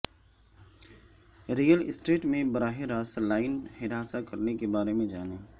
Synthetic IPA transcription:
ɾijəlɪsʈeːʈmẽbɐɾaːɦɪɾaːslaːɪnhɪɾaːsakɐɾnekebaːɾemẽd͡ʒaːneː

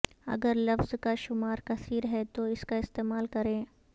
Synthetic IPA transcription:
ɐ̰ɡəɾlɐfzkaʃʊmaːɾkɐsiːɾɦɛt̪oɪskaɪst̪eːmaːlkɐɾẽː

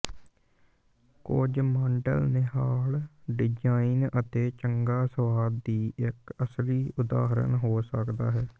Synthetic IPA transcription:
kod͡ʒmãːɳɖə̰lneɦaːlɖɪd͡ʒaːinət̪eːt͡ʃəŋɡaːsəʋaːdd̪iːʔɪkəsliːʊd̪a̰ːɦɾə̰nɦoːsəkd̪aːɦɛː

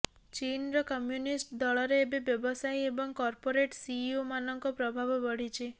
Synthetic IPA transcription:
t͡ʃinɾɔkɔmjunisʈd̪ɔɭɔɾeːbebjɔbɔsajebɔŋkɔɾpoɾeʈsiomanɔŋkɔpɾɔbʱabɔbɔɽ̤it͡ʃʰi

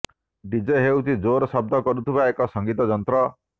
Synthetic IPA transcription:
ɖid͡ʒeɦewt͡ʃʰid͡ʒoɾɔsɔb̚d̪ʱɔkɔɾut̪ʰibaekɔsɔŋɡit̪ɔd͡ʒɔnt̪ɾɔ

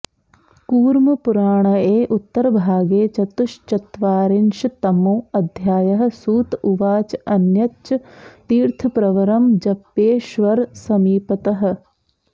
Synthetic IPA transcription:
kuːɾmɐpuɾaːɳ̃ɐeːʔut̪ːɐɾbʱaːɡeːt͡ʃɐt̪uʃt͡ʃɐt̪ʋaːɾɪnʃt̪ɐmoːɐd̪ʱjaːjɐɦɐ̆suːt̪uʋaːt͡ʃɐnjɐtt͡ʃt̪iːɾt̪ʰɐpɾɐʋɐɾɐmd͡ʒɐpːeːʃʋɐɾsɐmiːpɐt̪ɐɦɐ̆

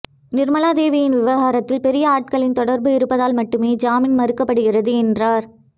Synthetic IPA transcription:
nɪɾmɐlaːd̪eːʋɪjɪnʋɪʋɐɣaːɾɐt̪ːɪlpɛɾɪjɐaːʈ̚kɐɭɪnt̪ɔɽɐɾbɯɪɾɯpːɐðaːlmɐʈːɯmeːd͡ʒaːmɪnmɐɾɯkːɐpːɐɽɯɣɪrɐðɯɛndraːɾ

